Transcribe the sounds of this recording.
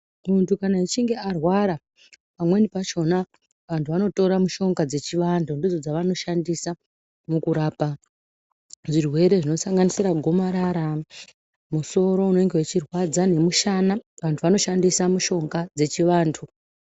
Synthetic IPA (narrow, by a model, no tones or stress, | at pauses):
kuntukanait͡ʃiŋɡe̞arwaɾa | pamwe̞nipat͡ʃo̞na | ʋantʰuʋano̞to̞ɾamuʃo̞ŋɡad͡ze̞t͡ʃiʋandʰundid͡zo̞d͡zaʋano̞ʃandisa | mukuɾaːpa | ʐirwe̞ɾe̞ʐino̞saŋɡanisiɾaɡʱo̞maɾaɾa | muso̞ɾo̞uno̞eŋɡewet͡ʃirwad͡zane̞muʃanaʋantʰuʋano̞ʃandisamuʃo̞ŋɡad͡ze̞t͡ʃiʋaːntʰu